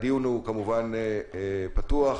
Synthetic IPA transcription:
diunukamuvan | patuaχ

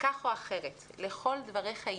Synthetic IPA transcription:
kaχoaχe̞ʁet̪leχo̞ld̪vaʁeχa

